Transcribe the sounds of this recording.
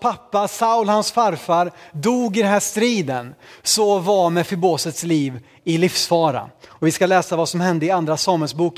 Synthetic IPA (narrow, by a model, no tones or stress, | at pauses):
pʰapːasaʊlhansfaɾfaɾd̪uːɡɪd̪ɛnɦæːʂt̪ɾiːd̪ənsɔvamɛfœɾboːsət̪sliːv | ɪlɪfsfɑːɾa̰ɔvɪskalɛːsavasɔmhɛnd̪əɪand̪ɾasɑːmɛlsbuːk